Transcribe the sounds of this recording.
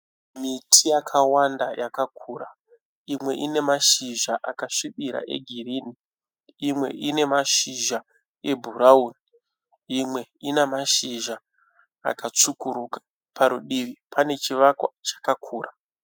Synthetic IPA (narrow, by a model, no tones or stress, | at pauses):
mitʰijakʰawandajakakʰuːɾa | imwe̞̰ʔine̞maʃiʒaʔakaʃiɓiɾa̰ʔe̞̰ɡʱiriːni | imwe̞̰ʔine̞maʃiʒa | e̞bʱuɾauni | imwe̞inemaʃiʒa̰ː | kat͡sukuɾukḁ | paɾuɗiʋipʰane̞t͡ʃiʋakwat͡ʃḁkakʰuːra